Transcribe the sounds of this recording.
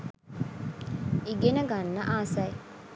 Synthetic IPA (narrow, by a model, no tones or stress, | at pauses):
iɡenɐɡɐnːɐʔaːsɐj